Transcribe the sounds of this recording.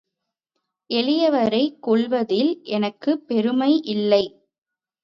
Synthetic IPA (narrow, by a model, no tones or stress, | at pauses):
ʔɛɭɪjɐʋɐɾɐɪkːɔɭʋɐðɪlʔɛnɐkːɯpːɛɾɯmɐɪʔɪlːɐɪ